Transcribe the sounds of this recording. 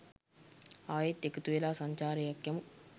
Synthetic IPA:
aːjet̪ːekɐt̪uʋelaːsɐɲt͡ʃaːɾɐjɐkjɐmu

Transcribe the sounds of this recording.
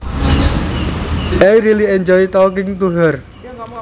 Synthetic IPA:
ʔajɾiliɛɲd͡ʒɔit̪ɔk̬ɪŋt̪uɦər

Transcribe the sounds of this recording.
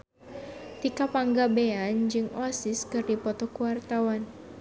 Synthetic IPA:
t̪ikapaŋɡabeand͡ʒɨŋɔsɪskɨrdipɔt̪ɔkuwart̪awan

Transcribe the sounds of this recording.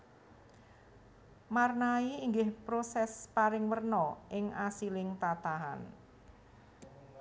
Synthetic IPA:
marnaiːŋɡɪhpɾosɛspaɾɪŋwərnɔʔɪŋasilɪŋt̪at̪aɦa̰n

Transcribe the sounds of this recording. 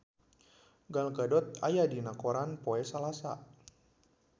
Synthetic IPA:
ɡalɡadɔt̪̚ajadinakoɾanpoɛsalasa̰

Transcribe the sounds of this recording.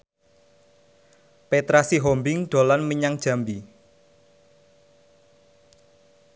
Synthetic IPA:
pet̪ɾasiɦɔmbɪŋɖ̪̥o̤lanməɲaŋd̥ʒ̥a̤mbi

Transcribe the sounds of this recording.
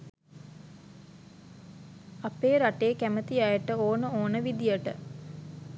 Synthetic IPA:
apeːɾaʈeːkæmət̪ijajəʈəoːnəoːnəʋid̪ijəʈə̰

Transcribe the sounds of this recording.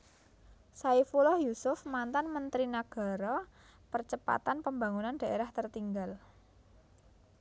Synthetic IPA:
saifulɔhjusʊfmant̪anmənt̪ɾinaɡ̥a̤ɾɔpərt͡ʃəpa̰t̪anpəmba̤ŋunand̥aʔeɾaht̪ərt̪iŋɡal

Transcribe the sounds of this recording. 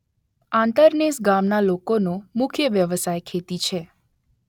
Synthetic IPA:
ãnt̪əɾnesɡamnalokonõmʊkʰjəʋjəʋəsajkʰet̪it͡ʃʰe

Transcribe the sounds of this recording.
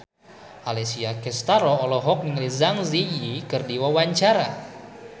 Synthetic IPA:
ʔalɛsiakɛst̪aɾɔːlɔɦɔk̚niŋlizaŋzijikɨrdiwawaɲt͡ʃaɾa

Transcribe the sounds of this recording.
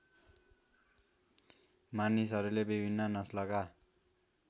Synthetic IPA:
manisʌɾulebibʱinːʌnʌslʌka

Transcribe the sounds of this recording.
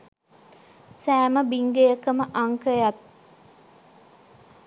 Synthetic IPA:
sæːməbiŋɡejəkəməʔɐŋkəjat̪̚

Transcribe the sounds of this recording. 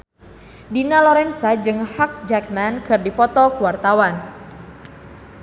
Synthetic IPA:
dinalɔɾɛnsad͡ʒɨŋhak̚d͡ʒakmankɨrdipɔt̪ɔkuwart̪awan

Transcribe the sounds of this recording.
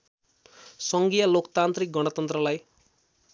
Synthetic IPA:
sʌŋɡijalokt̪ant̪rik̚ɡʌɽ̃ʌt̪ʌnt̪rʌlaj

